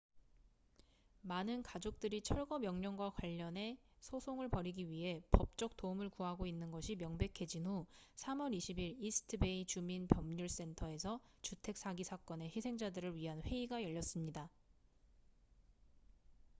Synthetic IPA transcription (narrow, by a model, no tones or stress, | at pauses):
manɯnkad͡ʑok̚t͈ɯɾit͡ɕʰʌɭɡʌmjʌŋɲʌŋɡwakwaʎːʌne̞ | sʰosʰoŋɯɭpʌɾiɡiɥiɦe̞pʌp̚t͡ɕ͈ʌk̚t͈oumɯɭkuɦaɡoinːɯnɡʌɕʰimjʌŋbe̞kʰe̞d͡ʑinɦusʰamʌɾiɕʰibiɾisʰɯ̥tʰɯbe̞it͡ɕuminpjʌmɲuɭs͈e̞ntʰʌe̞sʰʌt͡ɕutʰe̞k̚s͈ʰaɡisʰak͈ʌne̞çisʰe̞ŋd͡ʑadɯɾɯɭɥiɦanɸwe̞iɡajʌʎːʌs͈ɯmɲida